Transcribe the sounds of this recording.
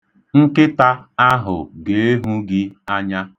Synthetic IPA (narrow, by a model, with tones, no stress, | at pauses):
ŋ̩˦kɪ˦ta˦a˦ɦʊ̰˨ɡe˨e˦ɦu˦ɡɪ˦a˦ɲa˦